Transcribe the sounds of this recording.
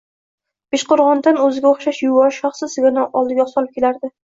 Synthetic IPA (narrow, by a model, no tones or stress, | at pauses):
b̥eʃqoɾʁɒnd̪anɵzɪɡʲaoχʃaʃjʊwɒɾʃɒχsɪɪɡʲanɪʔɒlˠd̪ɪɡʲaχsɒlˠɪp̚kʲʰelaɾd̪ɪ